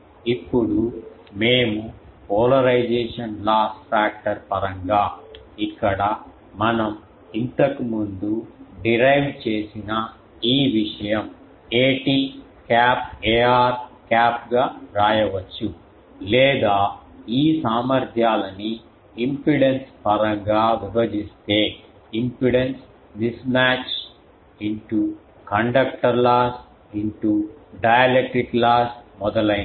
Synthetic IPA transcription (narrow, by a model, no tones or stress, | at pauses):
ipːuɽu | meːmupɔːlɐɾɐjd͡ʒɛːʂɐnlaːsʈpaːk̚ʈɐɾpɐɾɐŋɡaː | ikːɐɽɐ | mɐnɐm | int̪ɐkimund̪uɖiɾɐjʋt͡ʃe̞ːsinɐ | iːʋiʂɐjɐm | eːʈiː | kaːpeːaːɾkaːp̚ɡaːɾaːjɐʋɐt͡ʃːu | lɛːd̪aːiːsaːmɐɾd̪ʱjaːlɐni | impiɽenspɐɾɐŋɡaːʋibɐd͡ʒist̪e̞ː | impiɽens | d̪ismaːt͡ʃ | iɳʈu | kɐɳɖɐkʈɐɾlaːs | iɳʈuɖɐjɐlek̚ʈɾiklaːsmɔd̪ɐlɐ